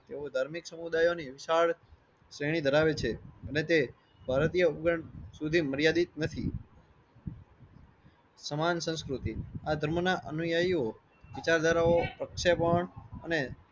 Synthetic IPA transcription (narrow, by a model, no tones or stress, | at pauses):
t̪eod̪ʱaɾmiksəmud̪ajoniʋɪsaɭ | sɾəjɽ̃id̪ʱəɾaʋet͡ʃʰeənet̪e | bʱaɾt̪ijəupɡəɳsud̪ʱiməɾjad̪it̪̚nət̪ʰḭ | səmansə̃skɾut̪iad̪ʱəɾmənaʔənujaio | ʋɪt͡ʃaɾd̪aɾaopɾəkʃepəɳəne